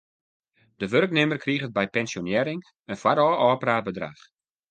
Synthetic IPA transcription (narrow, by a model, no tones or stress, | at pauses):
d̥əʋørknɪmərkʰriχət̚bɛjpɛnsjonjɛɾɪŋ | ənfwaɾɔɔːpəraːbədra̰χ